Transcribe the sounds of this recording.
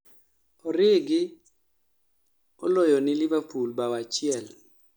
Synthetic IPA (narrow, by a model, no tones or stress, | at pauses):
ɔɾɪɡɪ | ɔ̰lɔjɔnɪlɪbapulbawat͡ʃɪɛl